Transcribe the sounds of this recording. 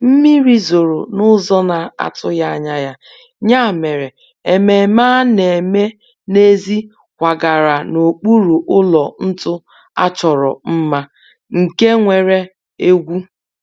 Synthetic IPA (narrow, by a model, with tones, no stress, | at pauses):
m̩˦mi˦ɾi˦zo˨ɾo˨nʊ˦zɔ˦na˨a̰˨tʊ˦ja˦a˨ɲa˦ja˦ | ɲa˦˨me˨ɾe˨ | e˨me˨maː˦ne˨me˦ | ne˦zi˦ | kʷa˨ɡa˨ɾa˨no˨k͡pu˦ɾu˨ʔʊ˦lɔ˨n̩˦tʊ˦ | a̰˦t͡ʃɔ˨ɾɔ̰˨m̩˦ma˦ | ŋ̩˨ke˦ŋʷe˨ɾe˦ | e˦ɡʷu˦